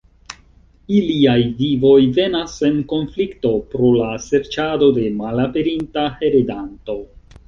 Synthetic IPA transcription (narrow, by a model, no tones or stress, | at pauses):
iliajvivo̞jve̞nase̞nko̞nflikto̞pɾo̞lase̞ɾt͡ʃado̞de̞malape̞ɾintahe̞ɾedanto̞